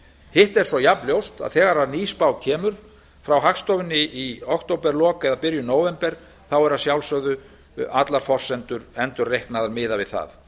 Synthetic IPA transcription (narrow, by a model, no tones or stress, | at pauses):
hɪht̪ɛɾ̥sɔjapljowst̪a̰ðθɛːɣaɾaðniːspawcʰɛːmʏɾ̥ | fɾawɦakst̪ɔvɪnːɪʔiɔkt̪owpɛɾlɔːkɛðapɪɾjʏnoːwvɛmpɛɾ̥ | θawɛɾaðsjawlsœɣðʏ | at̪laɾ̥fɔr̥sɛnt̪ʏɾɛnt̪ʏɾrejhknaðaɾmɪːðavɪðθa̰ð